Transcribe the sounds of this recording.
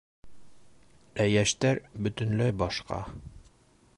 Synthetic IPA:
æjæʃt̪æɾbɵ̆t̪ɵ̆nlæjbɒʃqɑ̰

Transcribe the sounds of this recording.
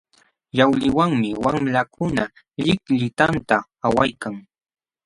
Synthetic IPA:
ʎawlɪwaŋmɪwamlakʰʊna | ʎɪkʎɪt̪ant̪a | awajkaŋ

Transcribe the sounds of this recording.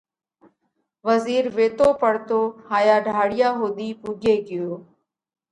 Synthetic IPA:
ʋəziːɾʋeːt̪oːpəɽt̪oːhaːjaːɖʱaːɽɪjaːɦoːd̪iːpuːɡeːɡɪjoː

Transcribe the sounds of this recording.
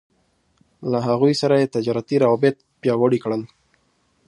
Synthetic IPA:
laɦaɣujsaɾajet̪ad͡ʒɑɾat̪iɾawabɪt̪̚ | pjɑwaɽikɽən

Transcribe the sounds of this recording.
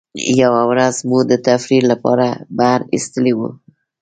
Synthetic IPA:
jawawɾazmud̪ət̪afɾiɾlapɑ̰ɾabaɾḭst̪əlewṵ

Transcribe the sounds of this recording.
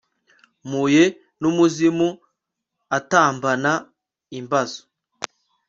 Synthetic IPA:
muje | numuzimu | ataːmbana | imbazo̥

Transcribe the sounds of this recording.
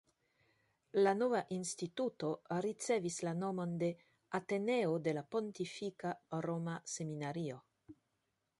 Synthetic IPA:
lano̞vaʔinstituto̞ɾit͡se̞vislano̞mo̞nde̞ | ate̞ne̞ode̞lapo̞ntifikaɾo̞mase̞minaɾio̞

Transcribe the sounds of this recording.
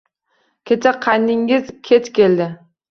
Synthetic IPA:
kʲʰe̞t͡ʃʰaqʰajnːɪŋɪzkʲʰet̪kʲʰe̞ld̪ɪ

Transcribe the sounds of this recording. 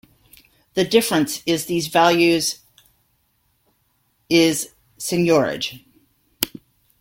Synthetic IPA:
ðɨdɪfɹɨ̃nsɪzðizvælˠjʉz | ɪz̥ | sɨ̃njɔɹɪ̰d̥ʒ̥

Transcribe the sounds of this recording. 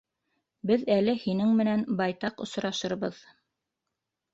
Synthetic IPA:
bɘðælɘhinɘŋmɘ̆nænbɑjt̪ɑqŏsɾɑʃɤ̆ɾβɤð

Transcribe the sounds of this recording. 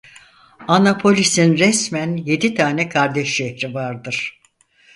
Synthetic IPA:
anapʰo̞lʲisinɾɛsmænje̞d̪it̪ʰaːnɛkʰaɾd̪ɛʃːɛhɾivaɾd̪ɯɾ̥

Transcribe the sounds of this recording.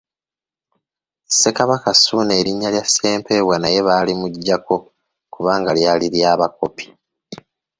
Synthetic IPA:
se̞kaβakasune̞ːɾiɲːaljase̞ːmpe̞ːβwanaje̞βalimuɟːako̞ | kuβaːŋɡaljaːliɾjaːβako̞pi̥

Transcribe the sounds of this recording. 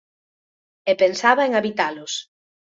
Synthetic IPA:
epensaβaeŋaβit̪alʊs

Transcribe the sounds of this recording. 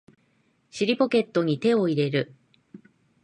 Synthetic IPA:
ɕiɾʲipo̞ke̞t̪ːo̞ɲ̟it̪e̞o̞iɾe̞ɾɯ̟

